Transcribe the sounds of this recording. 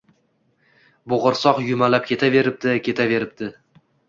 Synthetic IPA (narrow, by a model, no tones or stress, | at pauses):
bʊʁɨɾsɒqjʊmalap̚kʲʰe̞t̪ʰave̞ɾɪp̚t̪ɪkʲe̞t̪ʰave̞ɾɪp̚d̪ɪ